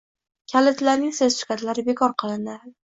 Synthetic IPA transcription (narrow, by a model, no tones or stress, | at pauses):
kʲʰalɪt̪laɾnɪŋsezʃɪ̥kʲat̪ʰlaɾɪbe̞kʰɒɾqʰɨlˠɪnd̪ɪ